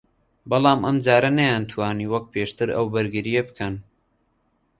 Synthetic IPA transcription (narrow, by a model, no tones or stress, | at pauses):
bɐlˠaːmʔɐmd͡ʒaːɾɐnɐjaːnt̪ʰwaːniːwɐk̚pʰeːʃt̪ɨɾɐ̰wbɨɾɡɨɾijebɨkʰɐn